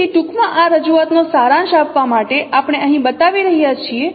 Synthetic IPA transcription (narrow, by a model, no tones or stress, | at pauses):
iʈukmãʔaɾəd͡ʒuat̪nosaɾãnʃapʋamaʈeʔapɽ̃eəɦĩbət̪aʋiɾəɦijat͡ʃʰie